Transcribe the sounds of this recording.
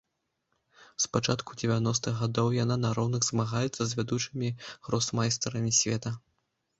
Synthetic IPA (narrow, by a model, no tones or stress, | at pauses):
spat͡ʂat̪kud͡zʲɛvʲanɔs̬t̪ɨɣɣad̪ɔwjananaɾɔwnɐɣzmaɣajɛt̪sːɐzʲvʲad̪ut͡ʂɨmʲiɣɾɔsmajst̪ɐɾɐmʲisʲvʲɛt̪ɐ